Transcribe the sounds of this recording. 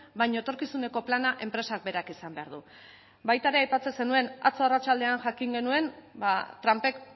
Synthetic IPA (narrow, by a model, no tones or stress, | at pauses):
bajɲoet̪o̞ɾkisune̞ko̞planaʔe̞mpɾe̞sak̚be̞ɾakisambe̞aɾðu | bajt̪aɾe̞ajpat͡se̞se̞nue̞na̰t͡soarat͡ʃald̪e̞anʝakiŋɡe̞nue̞nbat̪ɾampe̞k